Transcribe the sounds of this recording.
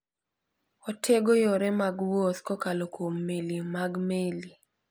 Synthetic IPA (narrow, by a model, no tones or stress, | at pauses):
ɔtʰeɡɔjɔɾɛmaɡwɔskɔkalokomːelimaɡmeli